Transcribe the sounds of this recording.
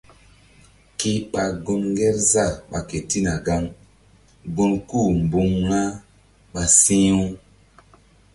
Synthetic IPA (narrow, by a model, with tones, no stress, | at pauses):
ki˦ɓa˨ɡu˧ŋɡɛ˦ɾza˦˨ɓa˨ke˨ti˦na˨ɡa˦ŋ | ɡu˦nku˦˨m˨bu˨ŋːa˦ | ɓa˨sĩ˦u˦